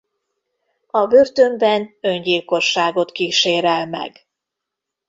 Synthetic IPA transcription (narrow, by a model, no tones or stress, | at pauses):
ɒbørt̪ø̞mbɛnø̞ɲɟiːlko̞ʃːaːɡo̞t̪kiːʃeːɾɛlmɛ̰ɡ